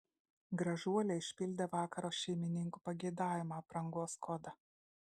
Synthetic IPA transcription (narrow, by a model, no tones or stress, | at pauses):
ɡɾɐʒuɔlʲɛɪʃʲpʲɪlʲd̪ʲeʋɑːkɐɾoːʃʲɛɪmʲɪnʲɪŋku̥pɐɡʲɛɪd̪ɑːʋʲɪmaːpɾɐŋɡoːskʰɔd̪ɐ